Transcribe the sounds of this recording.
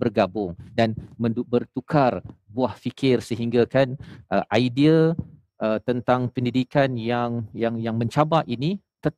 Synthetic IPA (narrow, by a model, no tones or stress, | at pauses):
bərɡabʊŋdanmə̃ndubərt̪ukʰarbuahfikʰɪrsəɦiŋɡakanʔəʔaidia | ʔət̪ənt̪aŋpəndidikanjaŋjaŋjaŋmə̃ɲt͡ʃabaʔini | t̪ə